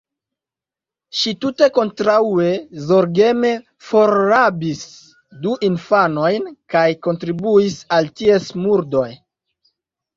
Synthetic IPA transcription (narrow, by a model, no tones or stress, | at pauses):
ʃitute̞ko̞ntɾaue̞zo̞ɾɡe̞me̞ | fo̞ɾːabis | duʔinfano̞jnkajko̞ntɾibuisaltiesmuɾdo̞j